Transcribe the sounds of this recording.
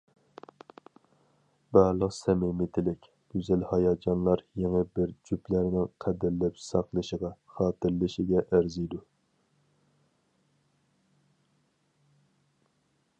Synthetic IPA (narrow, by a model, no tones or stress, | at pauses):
bæɾlˠəqsɛmɪmɪt̪ʰɪlɪkʲ | ɡ̥ʲyzælhɑjɑd͡ʒɑnlˠɑɾjeŋəbɪɾd͡ʒyplæɾnɪŋqʰæd̪ɪɾlæpsɑqlˠɨʃəʁɑχɑːt̪ɨɾlɨʃɪɡʲɛʔæɾzijd̪u